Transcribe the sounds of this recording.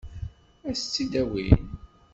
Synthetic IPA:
æst͡sːid̪æwḭn

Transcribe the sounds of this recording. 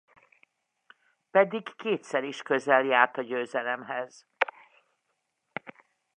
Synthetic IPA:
pɛd̪iɡkeːt̪sɛɾiʃkøzɛljaːrt̪ɒɟøːzɛlɛmɦɛz̥

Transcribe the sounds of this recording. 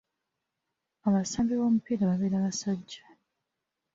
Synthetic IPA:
aβasambiβomupiɾaβaβeɾaβasaɟːḁ

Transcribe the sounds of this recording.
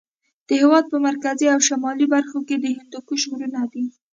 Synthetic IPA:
d̪̥əhewɑd̪̚pəmaɾkaziawʃamɑlibaɾxoked̪əhɪnd̪ukuʃɣuɾunad̪i

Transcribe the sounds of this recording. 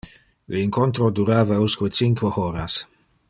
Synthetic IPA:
leiŋkont̪ɾod̪uɾaːvauskwet͡siŋkweoːɾas

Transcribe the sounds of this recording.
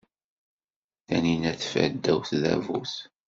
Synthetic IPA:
θæninæθfə̰d̪ːæwθðæ̰vuθ

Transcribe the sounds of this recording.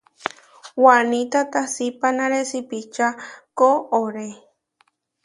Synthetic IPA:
wanĩt̪at̪asipanãɾesipit͡ʃakooɾe

